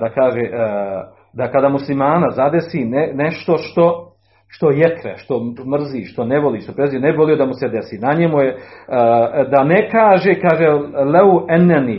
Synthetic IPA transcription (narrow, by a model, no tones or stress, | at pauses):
d̪akaːʒeːʔ | d̪akad̪aːmuslimaːnazad̪esiːneneʃt̪o̞ʃt̪o̞ | ʃt̪o̞jekɾeʃt̪o̞mr̩ziːʃt̪o̞neʋo̞liːʃt̪o̞pɾezijonebiʋo̞lijo̞d̪amused̪esiːnaɲemuje | d̪anekaːʒeːkaːʒeleɛnːɛni